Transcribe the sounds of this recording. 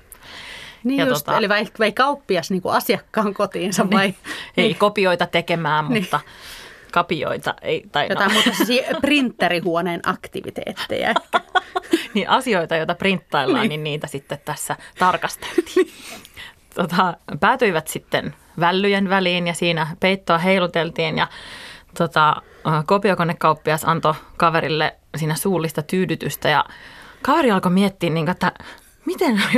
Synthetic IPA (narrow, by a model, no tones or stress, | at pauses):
niːjɑuost̪ɑoliʋɑiʋeikɑupːiɑsniːŋkṵɑsiɑkːɑːŋkot̪iːnsɑʋʋɑieikopioit̪ɑt̪ekemæːmmunit̪ːɑkɑpio̰it̪ɑ̰ʔḛit̪ɑijot̪ɑmuːt̪ɑssiprint̪ːerihuoneːnɑ̰kt̪ḭʋḭt̪ḛːt̪ːḛjæ̰eæniʔɑsioit̪ɑjoit̪ɑprint̪ːɑilːɑɑːnːninniːt̪æsit̪ːet̪t̪æsːæt̪ɑrkɑst̪e̥lt̪i̥ː | t̪ot̪ɑpæːt̪yiʋæt̪sit̪ːen | ʋælːyjenʋæliːnjɑsiːnæpeit̪ːoɑɦeilut̪elt̪iːnjɑ̰t̪ot̪ɑ | kopiokonekkɑupːiɑisɑnt̪okɑʋeɾilːḛ | siːnæsuːlːist̪ɑt̪yːdyt̪yst̪æjɑ̰kɑʋeɾiɑlkomiet̪ːiːnniːŋkoet̪ːæ | mit̪en